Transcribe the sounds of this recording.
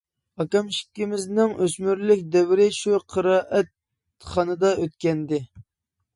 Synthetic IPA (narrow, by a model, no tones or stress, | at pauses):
ɑkɑmʃi̥kʲːimɪznɪŋʔøsmyɾlɪkʲd̪ɛwɪɾɪʃuqʰəɾɑːʔɛt̪̚ | χɑnɨd̪ɑʔøt̪kʲɛnd̪ɪ